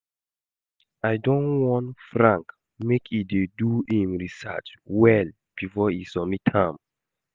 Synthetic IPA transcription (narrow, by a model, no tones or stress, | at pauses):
aɪdɔ̃nwɔ̃ntfɹãŋk | mekʰideduĩmɹisa̰t͡ʃwɛl | b̥ifɔisɔmitʰãm